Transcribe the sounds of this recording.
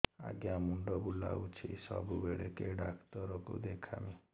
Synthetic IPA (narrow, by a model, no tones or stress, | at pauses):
a̰ɡjamuɳɖɔbula̰ut͡ʃʰisɔ̰bʱubeɭekeɖakt̪ɔɾɔkṵd̪ekʰa̰mi